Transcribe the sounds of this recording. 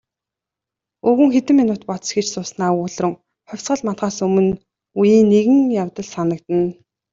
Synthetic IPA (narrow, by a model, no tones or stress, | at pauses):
ɵɣɘ̆ŋxet̪ɘ̆mːinʊːt̪pɔt̪sxet͡ɕsʊːsnaːʊːɮrɵ̆ŋ | χœwʲt͡sɢə̆ɮmat̪ɢaːsɵmɵ̆n | ujiːnːeɣɘ̆ŋjawt̪ə̆ɮsanə̆kt̪ɘ̆n